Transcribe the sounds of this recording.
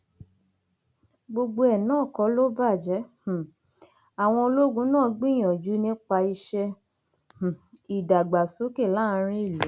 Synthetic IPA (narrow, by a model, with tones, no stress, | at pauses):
ɡ͡bo˧ɡ͡bo˧ɛ˨nãː˦˨kɔ˨˦lo˦ba˦˨d͡ʒɛ̃˨˦˨ | a˨w̃ɔ̃˧o˧lo˦ɡũ˧˦nãː˦˨˦ɡ͡bĩ˦j̃ɔ̃˨d͡ʒu˨˦nĩ˦k͡pa˧i˧ʃɛ˧ | h̩˨i˨da˨ɡ͡ba˨so˨˦ke˦˨la˦˨˦ɾ̃ĩ˦i˦˨lo˨˦